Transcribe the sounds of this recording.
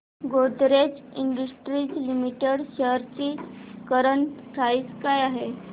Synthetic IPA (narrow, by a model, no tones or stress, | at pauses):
ɡoʈ̪ɾet͡siɳɖusʈɾiːd͡zlimiʈeɽɕəɾt͡ɕiːkəɾəɳt̪ʰaiːt͡skajaɦe